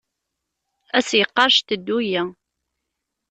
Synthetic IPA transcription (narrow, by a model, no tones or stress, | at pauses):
æsjəqːɑɾˤʃt̪əd̪ːujæ